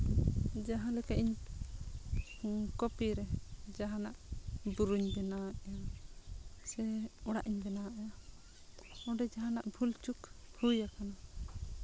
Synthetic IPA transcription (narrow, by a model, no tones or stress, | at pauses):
d͡ʒaɦãlɛkaʔʔiɲ | kɔpiɾɛd͡ʒaɦãnaʔbuɾuɲbɛnaʔɛja | sɛɔɽaʔiɲbɛnaʔɛja | ɔɖɛd͡ʒaɦãnaʔbʱult͡ʃukhujakana